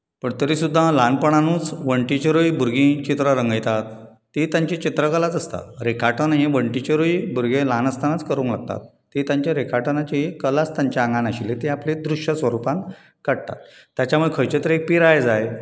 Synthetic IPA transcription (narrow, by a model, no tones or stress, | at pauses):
pəɳt̪əɾisud̪ʱːãlanpəɳanũːt͡sʋəɳʈit͡ɕeɾuibuɾɡĩt͡ɕit̪ɾəɾəŋɡəjt̪at̪ː | it̪jãɲt͡ɕit͡ɕit̪ɾəkəlat͡səst̪a̰t̪ɾekʰaʈʰənajẽʋəɳʈit͡ɕeɾuibuɾɡẽlanəst̪ʰanat͡skəɾũːnlaɡ̚t̪a̰t̪ːit̪jãɲt͡ɕaɾekʰaʈənat͡ɕeɦekəlat͡st̪jaɲt͡ɕaãŋɡanaɕilet̪eapled̪ɾuɕjəsʋəɾupãn | kaɽt̪a̰t̪ː | jat͡ɕamuɭekʰəjt͡ɕit̪ɾek̚piɾajd͡zaj